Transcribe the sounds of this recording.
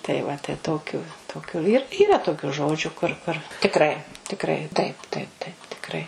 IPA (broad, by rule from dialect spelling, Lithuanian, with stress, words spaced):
tɐɪ ʋɐ tɐɪ ˈtoːkʲʊ ˈtoːkʲʊ iːr ˈiːrɐ toːˈkʲʊ ˈʒoːd͡ʒʲʊ kʊr ˈkʊr tʲɪkˈrɐɪ tʲɪkˈrɐɪ tɐɪp ˈtɐɪp ˈtɐɪp tʲɪkˈrɐɪ